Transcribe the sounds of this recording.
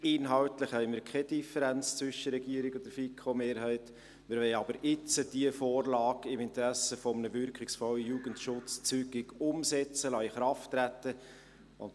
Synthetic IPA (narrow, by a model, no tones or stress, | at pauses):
ɪnɦɑʊtlɪχhɛɪmiːɾkʰɛd̥ifəɾænt͡st͡sʋʏʃːəɾːɛɡiəɾɪɡʊnd̥̪əɾfikʰomeːɾɦɛɪt | mɪɾʋɛɪɑbəɾɪt͡səd̥iəfoːrlɑːɡɪmɪnt̪əɾæsəfɔmənəvʏɾkχɪksfɔlːəjuːɡəntʃʊt͡st͡syɡ̥ɪɡʊmsɛt͡səlɑiχɾɑftːɾætːə | ʊn